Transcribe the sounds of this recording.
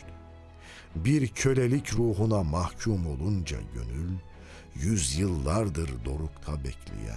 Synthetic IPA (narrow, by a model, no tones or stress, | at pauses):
biɾcʰø̞lʲelʲicɾuːɦunamahcʰumo̞lˠund͡ʒa̰ɟø̞̰nylʲ | jyzjɯlˠːaɾd̪ɯɾd̪o̞ɾukt̪ʰabɛ̰cʰlʲḭjæ̰